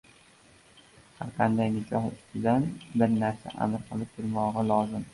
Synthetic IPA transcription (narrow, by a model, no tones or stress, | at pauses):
ha̰ɾqʰɑnd̪ajnɪkʰʲɒhʊ̰st̪ʰɪd̪anbɪɾnaɾsa̰ʔa̰mɾqʰɨlˠɪp̚b̪ɪlmɒʁɑlˠɒzɪm